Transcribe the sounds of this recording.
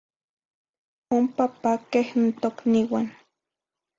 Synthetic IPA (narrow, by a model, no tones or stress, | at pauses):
ompapakehnt̪okniwan